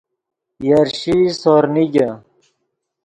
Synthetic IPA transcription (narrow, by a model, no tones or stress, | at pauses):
jɐɾɕisoɾniɡɐ